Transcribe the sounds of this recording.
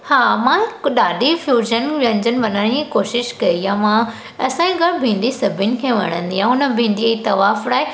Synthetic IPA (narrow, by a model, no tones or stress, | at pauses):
haːmãɗaːɗifjuːʒənʋə̃nd͡ʑənɪ̆ʋɐnaːɽ̃ĩkoːʃɪʃkɐiãmã | ɐsãĩɡɐɽbʱĩːnd̪isɐbʱɪnɪ̆kʰeːʋɐ̰ɽ̃ə̰̃nd̪iãʊnə̆bʱĩːnd̪it̪ɐʋaːfɾaːe